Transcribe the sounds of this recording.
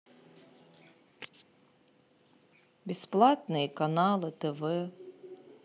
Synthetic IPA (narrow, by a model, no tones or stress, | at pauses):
bʲɪsplˠat̪̚nɨjikɐnɑlˠɨt̪ɛvɛ